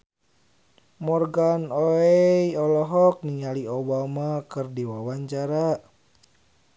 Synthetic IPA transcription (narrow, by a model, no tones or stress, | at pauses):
mɔrɡanɔɛjɔlɔɦɔk̚niŋaliobamakɨrdiwawaɲt͡ʃaɾa